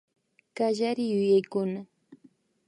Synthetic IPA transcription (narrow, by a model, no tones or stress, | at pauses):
kaʒaɾɪjʊjajkʊna